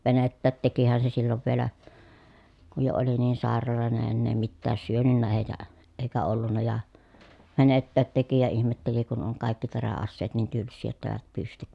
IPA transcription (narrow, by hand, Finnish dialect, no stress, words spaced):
ʋenetːæːt tekihæn se silːoʋ ʋielæ kuj jo oli niːn sɑˑerɑloˑene enːeː mitːæːs syønynːæːj jɑ eikæ olːunːɑ jɑ ʋenetːæːt teki jɑ ihmetːeli kun oŋ kɑˑikːi teræɑsːeːt niːn tylsːiː jotːɑ eˑi̯ʋæt pystyk